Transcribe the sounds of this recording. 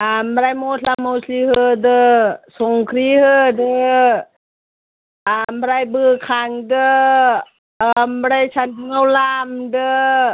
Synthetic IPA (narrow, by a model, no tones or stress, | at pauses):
amɾajmoamawsʰlihɯdɯsoŋkʰɾihɯdɯ | ambɾajbɯkʰaŋdɯ | mɾajsʰanɯŋawlamdɯ